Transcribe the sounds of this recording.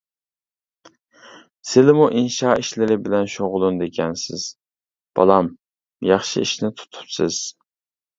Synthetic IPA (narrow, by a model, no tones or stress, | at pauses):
sɪlɪmuʔinʃɑːiʃlɪɾɪbɪlɛnʃoʁʊlˠund̪ekʲʰɛnsɪ̰z̥ | b̥ɑ̰lˠɑm | jɑχʃḭiʃnɪt̪ʰu̥t̪ʰu̥psɪz̥